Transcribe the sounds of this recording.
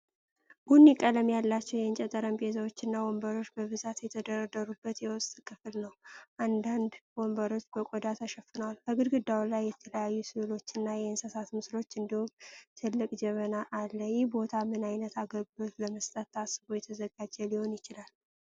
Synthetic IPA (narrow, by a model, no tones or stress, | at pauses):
bunjɛkʼələmjalːat͡ʃːɛwjɛɨnt͡ʃʼɛt̪ʼəɾəmpʼezawot͡ʃːɪnːawombəɾo̞t͡ʃːbəβɨzat̪jɛt̪ʰəd̪əɾəd̪əɾubːət̪jɛwɔst̪ʼkʰɨfɨlnəwʔand̪and̪wombəɾo̞t͡ʃːbəkʷʼod̪at̪ʰaʃəfɨnəwalbʰəɡɨd̪ɡɨd̪awlajːɛt̪ʰələjajːusɨlɨlo̞t͡ʃːɨnːajɛɨnsəsat̪mɨslo̞t͡ʃːɨnd̪ihumt̪ʰɨlːɨkʼd͡ʒɛβənaʔalːəjɛhbo̞t̪ʰamɨnajnət̪aɡəbbot̪ləməst̪ʼət̪ːasːɨbojɛt̪ʰəzəɡad͡ʒɛliho̞njɪt͡ʃɪlal